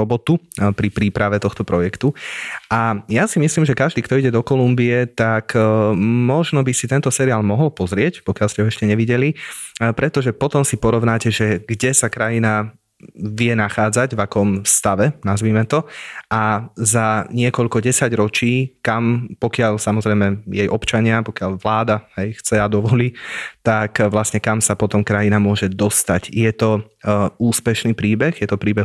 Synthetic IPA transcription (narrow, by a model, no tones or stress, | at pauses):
ɔbɔt̪upɾipɾiːpɾaʋɛt̪ɔxt̪ɔpɾɔjɛkt̪uʔajasimisliːmʒɛkaʒd̪iːkt̪ɔiɟɛd̪ɔkɔlumbiɛt̪ak | mɔʒnɔbisit̪ɛnt̪ɔsɛɾiaːlmɔɦɔlpɔzɾɪɛcpɔkɪalscɛɦɔɛʃcɛɲɛʋiɟɛlipɾɛt̪ɔʒɛpɔt̪ɔmsipɔɾɔʋnaːcɛʒɛɡɟɛsakɾajina | ʋɪɛnaxaːd͡zaɟvakɔmfst̪aʋɛnazʋiːmɛt̪ɔʔazaɲɪɛkɔʎkɔɟɛsaɟɾɔt͡ʃiːkampɔkɪaʎsamɔzɾɛɪmɛjɛjʔɔpt͡ʃaɲɪapɔkɪaʎʋlaːd̪aɦɛjxt͡sɛad̪ɔʋɔliːt̪akʋlasɲɛkamsapɔt̪ɔmkɾajinamʊɔʒɛd̪ɔst̪acjɛt̪ɔ | uːspɛʃniːpɾiːbɛɣjɛt̪ɔpɾiːbɛ